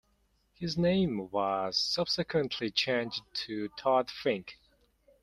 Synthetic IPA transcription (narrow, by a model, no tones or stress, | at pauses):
hɪznẽɪ̃mwʌz̥sʌb̥sɨkʰwɨ̃nʔʰlit͡ʃʰẽɪ̃nd͡ʒtʰɨtʰɑdfɹɪ̃ŋk